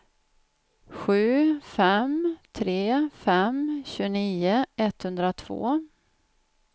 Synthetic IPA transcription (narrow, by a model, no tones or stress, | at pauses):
ɧʉ̟ːfɛmt̪ʰɾeːfɛmɕʉniːəʔɛt̪hɵnd̪ɾat̪ʰv̥o̰ː